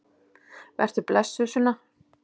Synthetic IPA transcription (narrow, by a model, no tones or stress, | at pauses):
vɛ̰r̥t̪ʏplɛsʏsʏnːa